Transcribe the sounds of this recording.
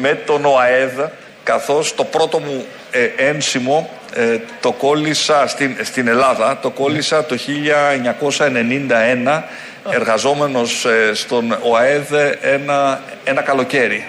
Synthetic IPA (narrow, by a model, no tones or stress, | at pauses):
me̞t̪o̞no̞ɐeð | kɐθo̞st̪o̞pɾo̞t̪o̞mu | ensimo̞ | t̪o̞ko̞lisɐst̪inst̪ine̞lɐðɐt̪o̞ko̞lisɐt̪o̞çiʎɐeɲɐko̞sɐene̞nind̪ɐe̞nɐ | e̞ɾɣɐzo̞me̞no̞sst̪o̞noɐe̞ðenɐ | e̞nɐkɐlo̞ce̞ɾi